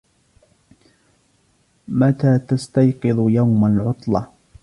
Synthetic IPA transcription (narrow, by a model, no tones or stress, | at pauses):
mat̪aːt̪ast̪ajqɨðˤjawmalʕʊt̪ˤlɑ